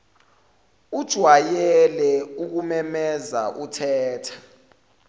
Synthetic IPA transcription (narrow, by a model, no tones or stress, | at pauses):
ud̥ʒ̥ʱwajɛlɛuk̬umɛmɛza̰ʔutʰɛːtʰḁ